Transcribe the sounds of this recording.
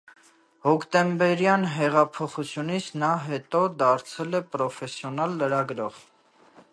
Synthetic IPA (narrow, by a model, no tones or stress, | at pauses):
hɔkʰt̪ɛmbɛɾjɑnɦɛʁɑpʰɔχut͡sʰjunit͡sʰnɑɦɛt̪ɔd̪ɑɾt͡sʰɛlɛpɾɔfɛsjɔnɑlːəɾɑɡɾɔʁ